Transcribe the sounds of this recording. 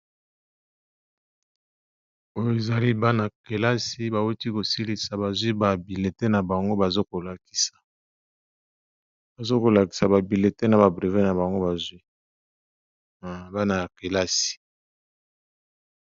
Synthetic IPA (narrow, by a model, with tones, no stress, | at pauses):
o˦jo˦e˨za˨li˦ba˦na˨ke˨la˦si˦ba˨wu˦ti˦ko˨si˦li˨sa˨ba˨zwi˦ba˨bi˨le˨te˦na˨ba˨ŋɡo˦ba˨zo˦ko˨la˨ki̥˨sḁ˨ | ba˨zo˦ko˨la˨ki̥˨sa˨ba˨bi˨le˨te˦na˨ba˨bʁe˨ve˦na˨ba˨ŋɡo˦ba˨zwi˦˨ | ba˦na˨ja˨ke˨la˦si̥˨